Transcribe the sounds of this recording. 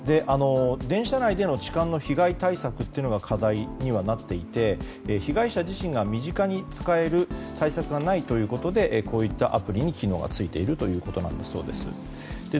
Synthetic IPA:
d̪e̞ʔano̞d̪ẽ̞ɰ̃ɕanaid̪e̞no̞t͡ɕi̥kãnːo̞çiɡait̪aisakɯ̟t̪ːeɯ̟noɡakʰad̪aiɲ̟iβanat̪ːe̞it̪e̞ː | çiɡaiɕaʑiɕĩŋɡamʲiʑikaɲ̟it͡sɨ̥kae̞ɾɯ̟t̪aisakɯ̟ɡanait̪o̞jɯ̟ːko̞t̪o̞d̪e̞ʔkʰo̞ːit̪ːaʔapɯ̟ɾʲiɲ̟ikʲino̞ːɡa̰t͡sɨit̪e̞iɾɯ̟t̪o̞jɯ̟ːko̞t̪o̞nã̰nd̪aso̞̰ːd̪e̞̰sɨ̰ | d̪̥e̞

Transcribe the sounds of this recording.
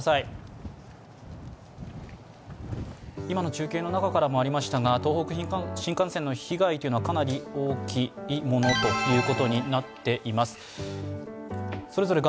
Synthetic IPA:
sai | imano̞t͡ɕɨːkʲe̞ːnonakakaɾamo̞aɾʲimaɕi̥t̪aɡat̪o̞ːɦo̞kɯ̟çĩɕĩŋkãɰ̃sẽ̞nːo̞çiɡait̪o̞iɯ̟noβakanaɾʲio̞ːkʲiːmo̞no̞t̪o̞jɯ̟ːko̞t̪o̞ɲ̟inat̪ːe̞ʔimasɨ̥ | so̞ɾe̞zo̞ɾe̞ɡ

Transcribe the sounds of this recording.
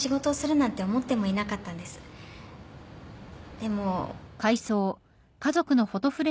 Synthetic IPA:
iɡo̞t̪o̞ːsɨɾɯ̟nãnt̪e̞omo̞t̪ːe̞mo̞inakat̪ːãnd̪e̞sɨ̥ | d̪̥e̞mo̞kaiso̞ː | kazo̞kɯ̟no̞ho̞t̪o̞ɸɯ̟ɾe

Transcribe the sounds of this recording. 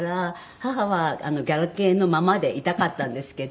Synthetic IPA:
ɾa | haɦaβaa̰no̞ɡʲaɾake̞ːno̞mamad̪e̞ʔit̪akat̪ːãnd̪e̞sɨ̥ke̞d̪

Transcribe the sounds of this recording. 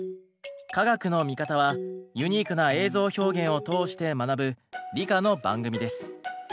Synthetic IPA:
kaɡakɯ̟no̞mʲikat̪aβ̞ajɯ̟ɲ̟iːkɯ̟nae̞ːzo̞ːço̞ːɡẽ̞ɰ̃o̞t̪o̞ːɕi̥t̪e̞manabɯ̟ɾʲikano̞bã̰ŋɡɯ̟mʲid̪e̞sɨ̥

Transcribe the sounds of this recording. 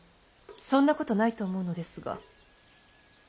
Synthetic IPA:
sõ̞nːako̞t̪o̞nait̪o̞ːmo̞ɯ̟no̞d̪e̞sɨɡa̰

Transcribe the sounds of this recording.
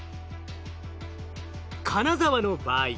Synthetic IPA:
kʰanazaβano̞baːi

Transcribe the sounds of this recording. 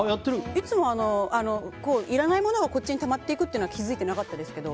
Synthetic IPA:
jat̪ːeɾɯit͡sɨmo̞ano̞ano̞ko̞ːʔiɾanaimo̞no̞ɡako̞t͡ɕːiɲ̟it̪amat̪ːe̞ikɯt̪eiɯnoɡakʲizɨit̪e̞nakat̪ːad̪e̞sɨ̥ke̞d̪o̞

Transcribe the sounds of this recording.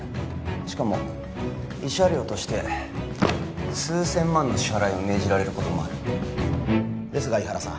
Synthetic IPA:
ɕi̥kamo̞̰ | iɕaɾʲo̞ːt̪o̞ɕi̥t̪e̞ | sɨːsẽ̞mːãnːo̞ɕi̥haɾaio̞me̞ːʑiɾaɾe̞ɾɯ̟ko̞t̪o̞moa̰ɾɯ̟ | d̪e̞sɨɡaiɦaɾasã̰

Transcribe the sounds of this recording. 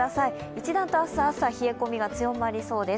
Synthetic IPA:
asai | it͡ɕid̪ãnt̪oasaːsaçie̞ko̞mʲiɡat͡sɨjo̞maɾʲiso̞ːd̪e̞

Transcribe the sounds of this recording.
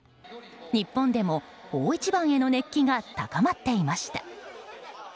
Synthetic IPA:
ɲ̟ipːõ̞nd̪e̞mo̞ | oːit͡ɕibãɰ̃e̞no̞ne̞kʲːiɡat̪akamat̪ːe̞imaɕi̥t̪ḁ

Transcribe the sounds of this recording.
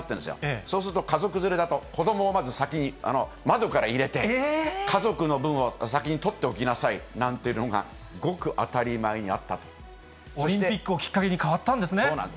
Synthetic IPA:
t̪ːẽnd̪esɨjo̰esoːsɨɾɯ̟t̪o̞kazo̞kɯ̟zɨɾe̞d̪at̪o̞ko̞d̪o̞mo̞ːmazɨsakʲiɲ̟ia̰no̞ | mad̪o̞kaɾaiɾe̞t̪e̞ekʰazo̞kɯ̟no̞bɯ̟̃ɰ̃osakʲiɲ̟it̪o̞t̪ːe̞okʲinasainãnt̪e̞iɯ̟no̞ɡa̰ | ɡo̞kɯ̟ʔat̪aɾʲimaeɲ̟ia̰t̪ːat̪o̥ | soɾĩmt̪epʲikːɯ̟okʲi̥kːake̞ɲ̟ikaβat̪ːãnd̪e̞sɨneooːna̰nd̪

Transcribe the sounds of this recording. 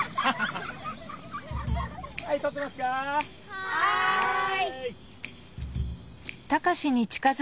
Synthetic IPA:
hait̪ot̪̬ːemasɨ̥ka | t̪akaɕiɲ̟it͡ɕi̥kaz

